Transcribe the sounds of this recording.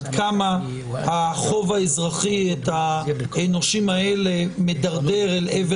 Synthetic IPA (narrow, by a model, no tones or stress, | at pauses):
d̪kama | haχo̞vaezʁaχiet̪aeno̞ʃimaele̞medaʁde̞ʁeleve